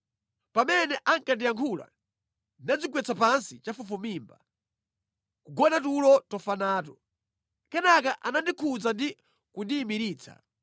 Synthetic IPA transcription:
pamɛnɛʔaŋkandijaŋkʰula̰ | nad͡zik̬wɛt͡sapansit͡ʃafufumiːmba | kuɡɔnat̬ulɔtɔfanaːtɔ | kɛnakaʔanandikʰud͡zandi | kundiːmiɾiːt͡sʰa̰

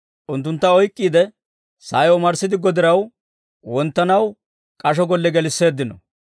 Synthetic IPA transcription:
ʔʊnt̪ːʊnt̪ːɐɔjkʼːiːd̪ɛ | saːjɔmɐɾsɪd̪ɪɡɔd̪ɪɾɐw | wɔnt̪ːɐnɐw | kʼɐʃ̬ɔɡɔlːɛɡɛlɪsːe̞ːd̪ːɪnɔ̰

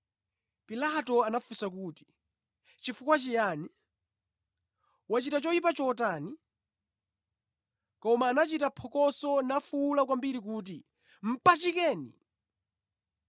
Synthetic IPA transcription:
pilatɔanafusak̬uːti̥ | t͡ʃifukwat͡ʃijaːni | wat͡ʃitat͡ʃɔipat͡ʃɔtani | kɔmaːnat͡ʃitapʰɔkɔsɔnafulakwambiɾik̬uːt̬i | m̩pat͡ʃikɛːnḭ

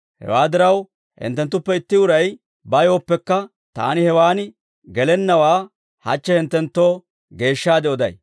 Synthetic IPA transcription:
hɛ̰waːd̪ɪɾɐw | hɪ̰nt̪ːɛnt̪ːʊpːɛɪt̪ːɪʊɾɐj | bɐjoːpːɛkːɐ | t̪a̰ːnɪhɛwaːnɪ | ɡɛlɛnːɐwaː | hɐ̰t͡ʃːɛhɪnt̪ːɛnt̪ːo̞ː | ɡe̞ːʃːaːd̪ɛɔd̪ɐ̰j

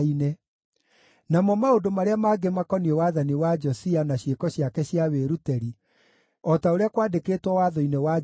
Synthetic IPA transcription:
inɛ | namɔmaodomaɾeamaɡemakɔniɛwaðaniwad͡ʒɔsianaɕjekɔɕjakɛɕjaweɾutɛɾi | ɔtaoɾeakwaːdekeːtwɔwaːðɔinewa

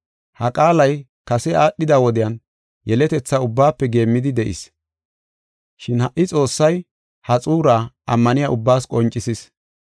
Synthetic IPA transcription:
hɐkʼaːlɐj | kɐsɛaːɗːɪd̪awɔd̪ɪjɐn | jɛlɛt̪ɛt͡sːɐʊbːaːpːɛɡe̞ːmːɪd̪ɪd̪ɛʔɪ̰s | ʃɪnhɐʔːɪt͡sʼo̞ːsːɐj | hɐt͡sʼuːɾaː | ɐmːɐnɪjaːʔʊbːaːskʼɔnt͡ʃʼːɪsɪs

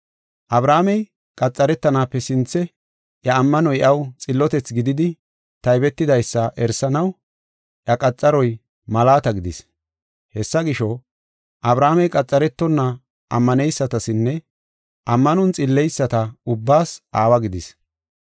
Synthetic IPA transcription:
ʔɐbɾaːmɛj | kʼɐt͡sʼːɐɾɛt̪ːɐnaːpːɛsɪnt͡sːɛ | ʔjɐːmːɐnɔjɛʔɐwt͡sʼɪlːɔt̪ɛt͡sɡɪd̪ɪd̪ɪ | t̪ɐjbɛt̪ːɪd̪ɐjsːɐʔɛɾsɐnɐw | ʔjɐkʼɐt͡sʼːɐɾɔj | mɐlaːt̪ɐɡɪd̪ɪs | hɛsːɐɡɪʃɔ | ʔɐbɾaːmɛjkʼɐt͡sʼːɐɾɛt̪ːɔnːɐ | ʔɐ̰mːɐnɛjsːɐt̪ɐsɪnːɛ | ʔɐmːɐnɔnt͡sʼɪlːɛjsːɐt̪ɐʊbːaːsʔaːwɐɡɪd̪ɪs

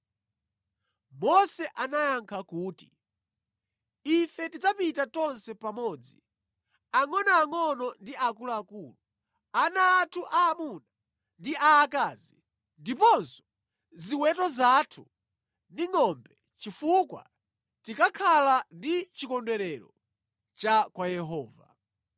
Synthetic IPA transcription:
mɔsɛʔanajaŋkʰakuːti̥ | ifɛtid͡zapitatɔnsɛpamɔːd͡zi | aŋɔnaːŋɔnɔndiakulaːkuːlu | anaːtʰuʔaːmuna | ndiʔaːkaːzi | ndipɔnsɔ̥ | ziwɛtɔzatʰu | ndiŋɔmbɛ | t͡ʃifukwa̰ | tikakʰalandit͡ʃikɔndwɛɾɛɾɔ | t͡ʃakwajɛɦɔːva̰

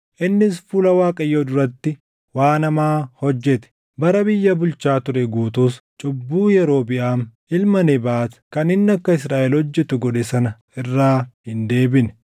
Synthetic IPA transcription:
ʔɪnːɪs̬fʊlɐwaːkʼɐjːoːd̪ʊɾɐt̪ːɪ | waːnɐmaːhɔd͡ʒːɛt̪ɛ̥ | bɐɾɐbɪjːɐbʊlt͡ʃaːt̪ʊɾɛɡuːt̪uːst͡ʃʼʊbːuːjɛɾo̞ːbɪʔaːm | ɪlmɐnɛbaːt̪kɐnɪnːɐkːɐɪs̬ɾaːʔɛlhɔd͡ʒːɛt̪ʊɡɔᶑɛsɐnɐ | ɪrːaːhɪnd̪e̞ːbɪnɛ

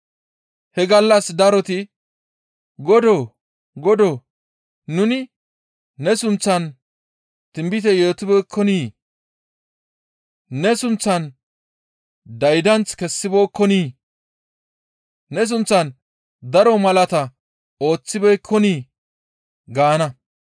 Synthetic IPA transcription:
hɛɡɐlːɐsd̪ɐɾɔt̪ɪ | ɡɔd̪oː | ɡɔd̪oː | nʊnɪː | ɛsʊnt͡sːɐn | t̪ɪmbɪt̪ɛjoːt̪ɪbɛːkʰːɔniː | nɛsʊnt͡sːɐn | d̪ɐjd̪ɐnt͡skɛsːɪboːkːɔniː | nɛs̬ʊnt͡sːɐn | d̪ɐɾɔmɐlɐt̪ɐ | o̞ːt͡sːɪbɛjkʰːɔniː | ɡaːnɐ

